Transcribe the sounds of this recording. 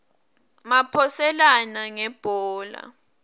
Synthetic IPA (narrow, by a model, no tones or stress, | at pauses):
mapʰɔsɛlanaŋɛb̥ʱɔːla̰